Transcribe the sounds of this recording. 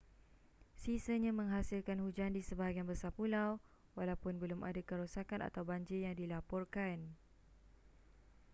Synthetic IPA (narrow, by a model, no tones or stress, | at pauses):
sisəɲãmə̃ŋɦasilkanhud͡ʒandisəbaɡianbəsapulaw | walawpʊnbəlʊmʔa̰dakəɾosakana̰t̪awbaɲd͡ʒɪjaŋdilapɔrkan